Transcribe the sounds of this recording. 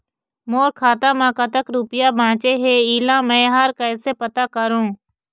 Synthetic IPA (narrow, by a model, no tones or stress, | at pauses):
moːɾkʰaːt̪aːmãːkət̪əkɾuːpɪjabʱãːt͡ʃeɦeiːlãːmɛ̃ːɦaːɾkəːsepət̪aːkəɾõː